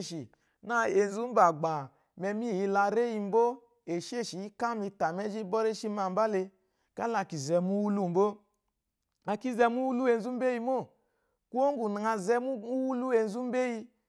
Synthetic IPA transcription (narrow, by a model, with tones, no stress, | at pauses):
ʃi˨ | na˦˨e˧n˦zu˦m̩˦ba˨ɡ͡ba˨ | mɛ˧mi˦˨ji˧la˧ɾe˦ji˧m̩˦bo˦ | e˨ʃi˦e˦˨ʃi˨i˦ka˦mi˧ta˨mɛ˦d͡ʒi˦bɔ˦ɾe˦ʃi˦ma˧m̩˦ba˦le˧ | ka˦la˧˨ki˨zɛ˧mu˦wu˦lu˦m̩˨bo˦ | a˨ki˦zɛ˧mu˦wu˦lu˦e˧n̩˦zu˦m̩˦be˦ji˧mo˦˨ | ku˦o˦ŋ˦ɡu˨na˨ŋa˧zɛ˧mu˦u˦wu˦lu˦e˧n̩˦zu˦m̩˦be˦ji˧